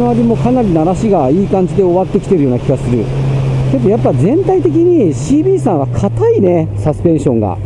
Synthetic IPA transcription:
oaɾʲimo̞kanaɾʲinaɾaɕiɡaiːkãɲ̟d͡ʑid̪e̞o̞βat̪ːe̞kʲi̥t̪e̞ɾɯjo̞ːnakʲiɡasɨɾɯ̟̰ke̞d̪ojapːazẽ̞nt̪ait̪e̞k̬ʲiɲ̟iɕiːbʲiːsãɰ̃βakʰat̪aine̞sasɨ̥pẽ̞ɰ̃ɕõ̞ŋɡa̰

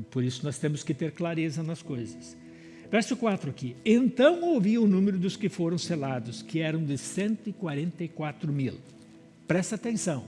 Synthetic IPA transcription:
poɾisʊnɔst̪ẽmʊskɪt̪eɾklaɾezɐnɐskojzɐs | vɛɾsʊkwat̪ɾʊakiẽnt̪ɐ̃w̃owviʊnũmɪɾʊd̪ʊskɪfoɾɐ̃w̃selad̪ʊskɪɛɾɐ̃w̃d̪ɪsẽnt̪ʊɪkwaɾẽnt̪ɐikwat̪ɾʊmil | pɾɛsɐaːt̪ẽsɐ̃w̃

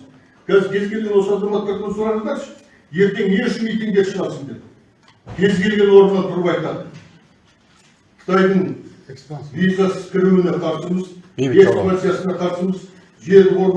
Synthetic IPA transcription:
kʲʰæzɪɾkʲʰe̞zɡʲelɡʲe̞nwo̞sɑzɑmɑt̪ːɑɾk̪ʰonsulˠɑɾɑqʰɑɾʃ | je̞ɾt̪e̞ŋeʃɪmejt̪eŋd̪eʃəʁɑsənd̪ep | kʲʰe̞zɡʲe̞lɡʲe̞nwo̞ɾənʁɑnt̪ʰʊɾβɑjt̪ɑd̪ə | qʰə̥t̪ʰɑjd̪əɴ | vizasskʲʰɪɾuɪneqʰɑɾsəməzesmasijasənɑqʰɑɾsəməz | ʒe̞ɾd̪ɪqo̞ɾb

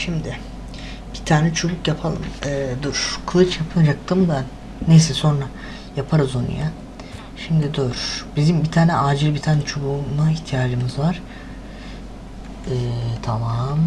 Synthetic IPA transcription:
ʃimd̪ɪ | b̥it̪ʰaːnɛt͡ʃʰoɡukjapʰalˠɯ̰mɛːd̪øɾ̥kʰɯlˠɯt͡ʃjapʰɯnd͡ʒak̚t̪ʰɯmd̪a | nejsɛso̞nɾa | japʰaɾɯzonḭja | ʃimd̪id̪øɾ̥bizimbit̪ʰaːnɛʔaːd͡ʒɯlʲbit̪ʰaːnɛt͡ʃʰobumaiçt̪ʰijaːd͡ʒɯmɯzvaɾ̥ | ɛːt̪ʰamam

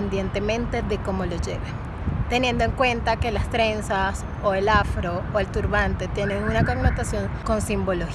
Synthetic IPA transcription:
nd̪jent̪e̞mẽ̞nt̪e̞ðe̞ko̞mo̞lo̞ʝe̞̰βen | t̪e̞nje̞nd̪o̞e̞ŋkwe̞nt̪ake̞last̪ɾe̞nsas | oe̞lafɾo̞oe̞lt̪uɾβant̪e̞t̪je̞ne̞ŋunako̞ɡno̞t̪asjo̞ŋko̞nsimbo̞lo̞x

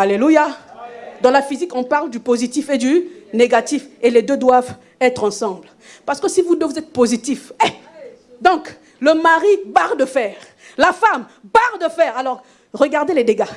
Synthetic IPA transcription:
aleluja | d̪ɑ̃lafizikɔ̃paʁld̪ypozit̪ifed̪yneɡat̪ifeled̪ød̪wav | ɛt̪χɑ̃sɑ̃bl | paʁsə̥kəsivunəvuzɛt̪χpozit̪ife | d̪ɔ̃k | ləmaʁibaʁd̪əfɛːʁ | lafambaʁd̪əfɛʁalɔʁ | ʁəɡaʁd̪eled̪eɡa

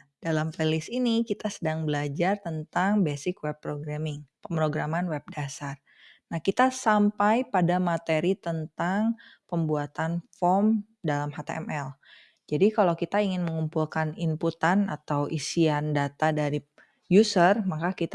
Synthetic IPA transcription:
dalampelɪsinikit̪asədaŋbəlad͡ʒart̪ənt̪aŋbesɪkwɛpːɾoɡɾamɪŋpəmpɾoɡɾamanwɛb̚dasar | nahkit̪asampajpadamat̪eɾit̪ənt̪aŋpəmbuat̪anfɔm | dalamɦat̪ḛʔɛ̰mɛl | d͡ʒadikalawkit̪aiŋɪnməŋumpulkanimput̪ana̰t̪awʔisiandat̪adaɾi | jusərmakakit̪

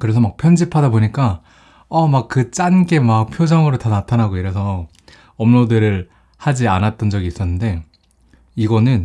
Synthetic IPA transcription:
kɯɾe̞sʰʌmak̚pʰjʌnd͡ʑipʰadaboɲik͈a | ʌmak̚kɯt͡ɕ͈anɡe̞mak̚pʰjod͡ʑʌŋɯɾotanatʰanaɡoiɾe̞sʰʌ | ʌmnodɯɾɯɭ | had͡ʑianat̚t͈ʌnd͡ʑʌɡiːs͈ʌnːɯnde̞ | iɡʌnɯn

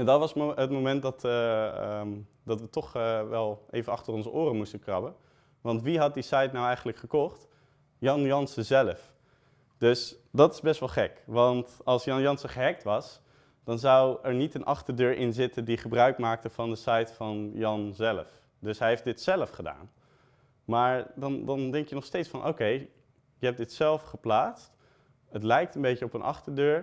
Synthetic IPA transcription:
ɛndɑtʋɑsɦətmomɛnt̚dɑtəə | d̥ɑtʋətɔχəʋɛlˠʔḛjvənɑχtərɔnzəʔʊːrəmustəkrɑbən | ʋɑntʋiɦɑt̚disɑjtnawɛjχənləkχəkɔχt | jɑnjɑnsəzɛləf | d̥ɵsdɑtɪ̥zbɛstʋɑlˠχɛkʋɑntɑlˠsjɑnjɑnsəχəɦɛk̚tʋɑs | d̥ɑnzɑwɛɹnitənʔɑχtəɹdøːɹʔɪnzɪtəndiχəbrœɥkmaːk̚təv̥ɑndəsɛjtfɑnjɑnzɛləf | dɵsɦɛjɦejfdɪtsɛləfχəda̰ːn | maːɹdɑndɑndɛŋkjənɔχstejtsfɑnʔo̰wkej | jəɦɛp̚dɪtsɛlˠfχəplaːtst | ətlɛjk̚tənmbejcəɔpənʔɑ̰χtəɹdøːɹ

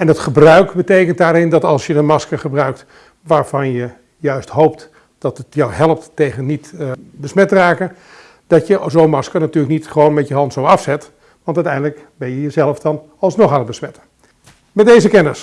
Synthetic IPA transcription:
ɛndətχəbrœɥkbətejkəntdaːɾɪndɑtɑlˠsjədənmɑskəχəbrœɥk̚t | ʋaːɹv̥ɑnjə | jœɥstɦowp̚t | d̥ɑtətjɑwɦɛlˠəp̚tːejɣənːitbəsmɛtraːkə | d̥ɑtjəzowmɑskənatyːləknitχəʋownmɛtjəɦɑntsowɑfsɛt | ʋɑntœɥtɛjndələkbɛnjəjəzɛlˠəfdɑn | ɑlˠsnɔχaːnət̚bəsmɛtə | mɛt̚dejzəkɛnəs

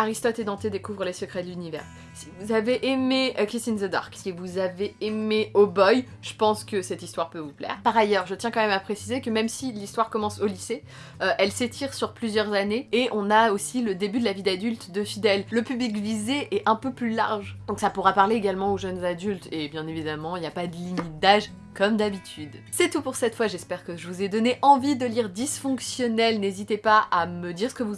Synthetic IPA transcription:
aʁist̪ɔt̪ed̪ɑ̃t̪ed̪ekuvʁəlesəkχɛd̪əlynivɛ̰ʁ | si̥vuzaveʔemekχist̪inzəd̪a̰ʁksivuzaveːmeobɔj | ʒ̥əpɑ̃skəsɛt̪ist̪waʁpøvuplɛ̰ːʁpaʁajœʁʒət̪ʲjɛ̃kɑ̃mɛmapχesizekəmɛmsilist̪waʁkɔmɑ̃solise | øʔɛlset̪ʰiʁsyʁplyzjœʁzaneeʔɔ̃naosiləd̪ebyd̪əlavid̪ad̪ylt̪d̪əfid̪ɛlːəpyblik̬vizeʔɛʔɛ̃pøplyla̰ʁʒd̪ɔ̃ksapuʁapaʁleeɡalmɑ̃oʒœnzad̪ylt̪ebjɛ̃nevid̪amɑ̃iljapad̪əlimit̪̚d̪aʒ | kɔmd̪abit̪ʰyd̪sɛt̪upuʁsɛt̪fwaʒɛspɛʁkəʒəvuzɛd̪ɔneʔɑ̃vid̪əliʁd̪isfɔ̃ksjɔnɛlnezit̪epaʔaməd̪iʁsə̥kəvu

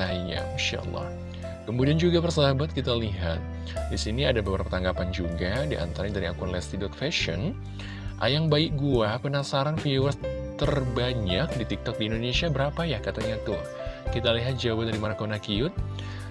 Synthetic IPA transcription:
aiɲa̰inʃa̰ʔə̰lːɑ̰h | kəmudiand͡ʒuɡapərsaɦabat̪̚kit̪aliɦat̪̚ | disiniadababaɾpət̪aŋɡapand͡ʒuɡadiʔa̰nt̪aɾaɲadaɾiakʊnlɛst̪idɔt̪̚fɛʃɔ̰n | ʔa̰jaŋbaɪk̚ɡuapənasaɾanfiwət̪ərbaɲak̚dit̪ik̚t̪ɔk̚diːndonesiabəɾapajahkat̪aɲat̪ʊh | kit̪aliɦat̪̚d͡ʒawabat̪̚daɾimaɾakonakiʊt̪̚

